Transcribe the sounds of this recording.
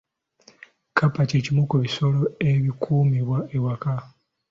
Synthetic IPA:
kʰapacecimukuβiso̞lo̞e̞βikʰuːmiβwaewaka

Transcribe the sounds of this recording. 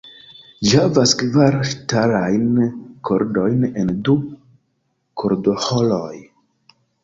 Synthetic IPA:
d͡ʒihavaskvaɾʃtaɾajnkʰoɾdo̞jne̞ndu | kʰoɾdo̞holoj

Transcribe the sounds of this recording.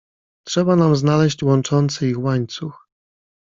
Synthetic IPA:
tʂɛbanamznalɛɕt͡ɕwɔnt͡ʂɔnt̪sɘixwaɲt̪sux

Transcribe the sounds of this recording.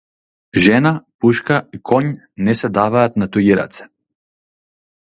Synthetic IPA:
ʒɛnapuʃkaikʰɔɲ | nɛsɛd̪avaːt̪nat̪ujiɾa̰t̪sɛ̥

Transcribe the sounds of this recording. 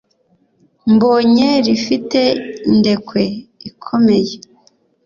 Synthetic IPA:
mboɲeɾifite̞inde̞kwe̞ikʰo̞me̞je

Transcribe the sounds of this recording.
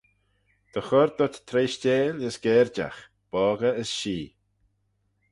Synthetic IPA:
d̪̥əxɔɾd̪ɔt̪t̪ʰɾeːʃt͡ʃeːləsɡ̥ɛːɾd͡ʒa̰x | b̥ɔːɡəəsʃiː

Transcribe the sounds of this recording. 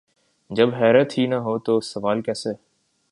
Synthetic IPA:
d͡ʒəbɦɛːɾət̪hiːnəɦoːt̪oːsəʋaːlkɛːseː

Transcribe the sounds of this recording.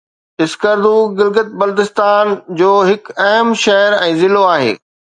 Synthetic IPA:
ɪskəɾd̪uːɡɪlɡət̪̚bɐld̪ɪst̪aːnd͡ʑoːɦɪkɐɦəmʃɐɦəɾɛ̃ːzɪloaːɦḛː

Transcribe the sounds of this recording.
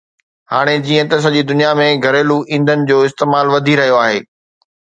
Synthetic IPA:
haːɽ̃ed͡ʑiːə̃t̪ɐs̬ɐʄid̪ʊnijamẽɡʱɐɾeːluʔĩːnd̪ʱənɪ̆d͡ʑoːɪst̪eːmaːlʋɐd̪ʱiɾɐɦijoaːɦeː

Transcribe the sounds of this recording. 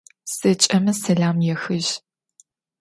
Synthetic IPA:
sɐt͡ʃʼɐmɐsɐɮaːmjɛxɨʑ

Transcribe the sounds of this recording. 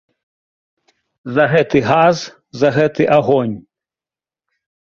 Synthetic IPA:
zɐɣɛt̪ɨɣaz | zɐɣɛt̪ɨʔaɣɔnʲ

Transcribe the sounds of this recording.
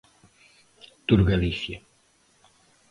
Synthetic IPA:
t̪uɾɣalisja

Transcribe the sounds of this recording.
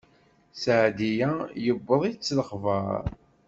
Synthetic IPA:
sʕd̪ijæjəbːəðˤit͡sːləχvɑɾˤ

